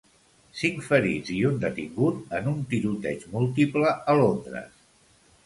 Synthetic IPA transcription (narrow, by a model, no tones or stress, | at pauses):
siŋkfəɾḭd͡ziund̪ət̪iŋɡut̪ənunt̪iɾut̪ɛ̰t͡ʃmulˠt̪ipləəlond̪ɾə̰s